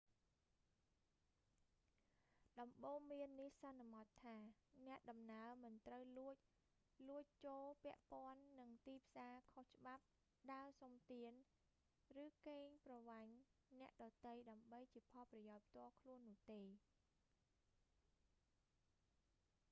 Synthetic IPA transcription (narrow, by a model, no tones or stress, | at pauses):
ɗɑmɓoːŋmiənːihsɑnːamɑt̪ʰːaːnɛ̆əʔɗɑmnaəmɨnt̪rəwluəc̚ | luəc̚t͡ɕoːlpɛ̆əʔpŏənːɨŋt̪iːpʰsaːkʰoht͡ɕə̆ɓap̚ | ɗaəsomt̪iən | rɨːkeːɲprɑʋaɲnɛ̆əʔɗɑt̪ɨjɗaəmɓəjt͡ɕiəpʰɑlprɑjaʊc̚pʰt̪ŏəlkʰluənːʊ̆əht̪eː